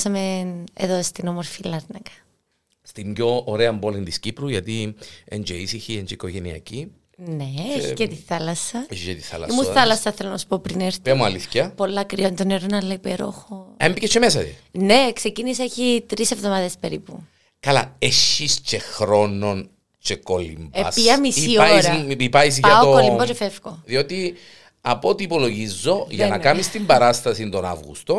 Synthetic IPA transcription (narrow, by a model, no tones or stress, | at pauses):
sɐmenḛðost̪inomoɾfilɐɾnɐkɐ̥ | st̪imjoːɾeɐmbolind̪iscipɾuʝɐt̪iend͡ʒeisiçiend͡ʒeikoʝeniɐ̰ci | neeçicet̪iθɐlɐsɐeicet̪iθɐ̰lɐ̰emuθɐlɐsɐθelonɐsu̥po̞pɾineɾt̪pemuɐliθçɐpo̞lːɐkɾiont̪oneɾonɐlɐipeɾo̰xoembicet͡ʃːemesɐt̪ḭnekse̞ciniseçit̪ɾisevðomɐðespe̞ɾipu | kɐla̰eʃːist͡ʃexɾo̞nːon | t͡ʃekolḭmbeɐsɐmisioiɾɐipɐiz̬ɐokolimbot͡ʃefefkoðio̞t̪i | ɐpot̪iːpoloʝizːoʝɐnɐ̰kɐmist̪imbɐɾɐst̪ɐsind̪ona̰vɣṵst̪o